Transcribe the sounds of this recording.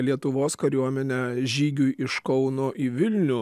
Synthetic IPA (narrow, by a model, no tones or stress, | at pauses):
lʲiɛt̪ʊʋoːskɐɾʲuɔmʲɛnʲɛʒʲiːɡʲʊjʔɪʃkɒʊnoːʔiːʋʲɪlʲnʲʊ